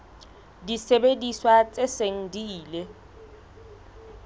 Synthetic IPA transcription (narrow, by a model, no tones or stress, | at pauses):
disebediswat͡sʼeseŋ̩diːle